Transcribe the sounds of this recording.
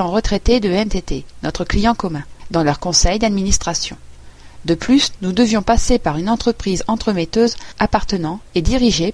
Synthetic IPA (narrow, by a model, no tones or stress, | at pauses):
ɑ̃ʁət̪χet̪ed̪əɛmt̪et̪enɔt̪χəklijɑ̃kɔmɛ̃d̪ɑ̃lœʁkɔ̃sɛjd̪ad̪minist̪χasjɔ̃d̪əplysnud̪əvjɔ̃pasepaʁynɑ̃t̪χəpχizɑ̃t̪χəmet̪øzapaʁt̪ənɑ̃ed̪iʁiʒe